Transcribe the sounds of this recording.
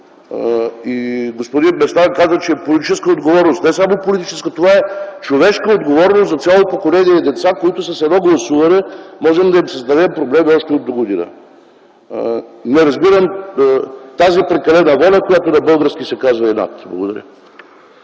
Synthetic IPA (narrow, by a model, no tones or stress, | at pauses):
iɡospod̪inmɛst̪aɾkazət͡ʃɛpolit̪i̥t͡ʃɛskəod̪ɡovɔɾnost̪nɛsamopolit̪it͡ʃɛskət̪ovaɛt͡ʃovɛʃkəod̪ɡovɔɾnost̪zɐt̪sʲjalˠopokolɛniɛd̪ɛt̪sakoit̪ʊsəsɛdnɔɡlˠɐsuvɐnɛmɔʒɛmd̪ɐimsɐzd̪ɐvɛmpɾoblɛmiɔʃt̪ɛod̪ːoɡod̪inə̰ | nɛɾɐzbiɾəm | t̪azipɾɛkɐlɛnəvɔlʲɐkojat̪onɐbɤlˠɡəɾsk̟isɛkazvɐɛna̰t̪blˠɐɡo̰d̪ɐɾʲə̰